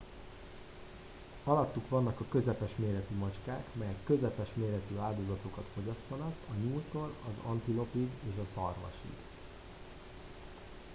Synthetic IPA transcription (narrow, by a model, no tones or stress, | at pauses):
ɒlɒt̪ːukʋɒnːɒkɒkø̞zɛpɛʃmeːɾɛt̪imɒt͡ʃkaːkmɛjɛkːø̞zɛpɛʃmeːɾɛt̪øːaːld̪o̞zɒt̪okɒt̪fo̞ɟɒst̪onɒkɒɲuːlt̪oːlɒzɒnt̪ilo̞piɡeːʃɒsɒrʋɒ̰ʃḭɡ